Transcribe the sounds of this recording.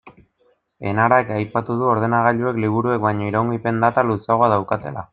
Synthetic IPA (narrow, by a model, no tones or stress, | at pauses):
e̞naɾakajpat̪uð̞uo̞ɾð̞e̞naɣ̞aʎue̞kliβ̞uɾue̞k̚bajɲo̞iɾoŋɡipe̞nd̪at̪alusaɣoaðawkat̪e̞la̰